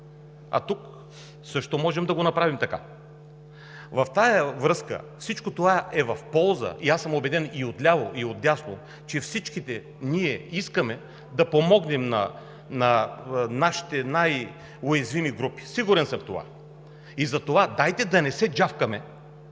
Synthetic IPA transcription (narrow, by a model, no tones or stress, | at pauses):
ɐ̰t̪uk | sɤʃt̪omɔʒɛmd̪ɐɡonɐpɾavimt̪ɐka | vɐft̪ajəvɾɤskə̰fsit͡ʃkot̪ovaɛvɐfpɔlˠzə̰ʔiasəmobɛd̪ɛniot̪lʲavoʔiot̪̚d̪ʲjaslˠo | t͡ʃɛfsit͡ʃkit̪ɛ | niɛiskəmɛ | d̪ɐpomɔɡnɛmnɐ̰ | nɐnaʃi̥t̪ɛnaj | ojɛzvimiɡɾupi̥siɡuɾɛnsəmft̪ova̰ | izɐt̪ovad̪ajt̪ɛd̪ɐnɛsɛd͡ʒafkɐmɛ